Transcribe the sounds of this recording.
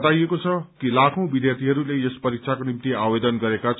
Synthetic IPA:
t̪ajekot͡sʰʌkilakʰõw̃bid̪jart̪ʰiɦʌɾulejespʌɾik̚sʰakonimt̪iabed̪ʌnɡʌɾekat͡sʰ

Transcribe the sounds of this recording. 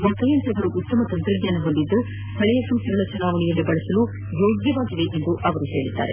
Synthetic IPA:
ʋɐt̪ːɐjɐnt̪ɐɐʋɐɾuʔut̪ːɐmɐt̪ɐnt̪ɾɐɡ̪ɲaːnɐɦond̪id̪ːu | t̪ʰɐɭɛjɐsuːsɐɡɐɭɐt͡ʃɐnaːʋɐɳijɐnːubɐɭɐsɐlu | joːɡjɐʋaːɡid̪eʔend̪uʔɐʋɐɾuɦe̞ːɭid̪ːa̰ːɾe

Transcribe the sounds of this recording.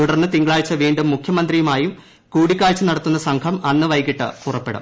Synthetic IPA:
t̪uɽɐrnːɨt̪iŋɡɐɭaːɻt͡ɕːɐʋiːɳɖumːukʰjɐmɐnd̪rijumaːjum | kuːɽikʲːaːɻt͡ɕːɨnɐɽɐt̪ːunːɐsɐŋkʰɐmɐnːɨʋɐjkiʈːɨpurɐpːe̞ɽṵm

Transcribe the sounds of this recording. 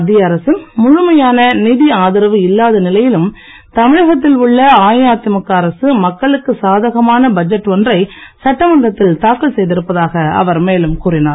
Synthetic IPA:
d̪ɪjɐːɾɐsɯnmʊɻʊmɐjaːnɐniðiaːðɪɾɐʋɯɪlːaːðɐnɪlɐjɪlɯm | t̪ɐmɪɻɐɣɐt̪ːɪlʊɭːɐaːjaːt̪ɪmɐkːɐɾɐsɯmɐkːɐɭɯkːɯsaːðɐɣɐmaːnɐbɐd͡ʒɐʈːɔndrɐɪsɐʈːɐʋɐnd̪ɐt̪ːɪlt̪aːkːɯlsɛjðɪɾɯpːɐðaːɣɐɐ̰ʋɐɾmeːlɯmkuːrɪnaː

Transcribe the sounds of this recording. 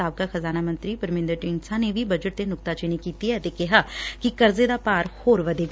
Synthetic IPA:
aːb̚kaxɐzaːnamə̃nt̪ɾipəɾmẽːnd̪əɾʈɪŋsʰãnebʱibɐd͡ʒəʈ̚t̪enʊkt̪at͡ʃenikiːt̪iɦɛt̪ekɛɦakikɐɾzed̪apaːɾhoːɾʋɐd̪ʱeɡ

